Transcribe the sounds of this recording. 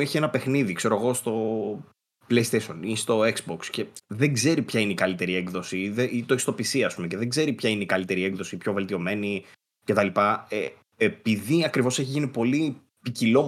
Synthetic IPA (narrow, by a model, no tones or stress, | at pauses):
eçie̞nɐpe̞xniðikse̞ɾo̞ɣo̞st̪o̞ | plejst̪eʃonist̪o̞eksboksce̞ðe̞ŋɡze̞ɾipçaineikɐlit̪e̞ɾiekðo̞siðeit̪o̞ist̪o̞pisiɐspumece̞ðeŋɡze̞ɾipçaineikɐlit̪e̞ɾie̞kðo̞sipço̞ve̞lt̪io̞me̞ni | ce̞t̪ɐlipɐe | epiðiɐkɾivo̞se̞çiʝinipo̞li | picilo̞